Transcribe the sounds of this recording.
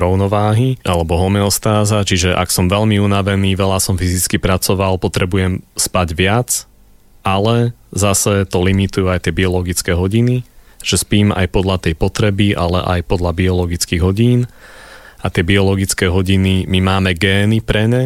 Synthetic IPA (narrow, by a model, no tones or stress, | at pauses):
ɾɔʊnɔʋaːɦiʔalɛbɔɦɔmɛɔst̪aːzat͡ʃiʒɛʔa̰ksɔmʋɛʎmiunaʋɛniːʋɛlasɔmfizit͡skipɾat͡sɔʋalpɔt̪ɾɛbujɛmspaɟʋɪat͡s | ʔalɛ | zasɛt̪ɔlimit̪ujuajt̪ɪɛbiɔlɔɡit͡skɛɦɔɟini | ʒ̥ɛspiːma̰jpɔd̪lat̪ɛjpɔt̪ɾɛbiʔalɛ̰ʔa̰jpɔd̪labiɔlɔɡit͡skiːɣɦɔɟiːn | ʔat̪ɪɛbiɔlɔɡit͡skɛɦɔɟinimimaːmɛɡɛːnipɾɛɲɛ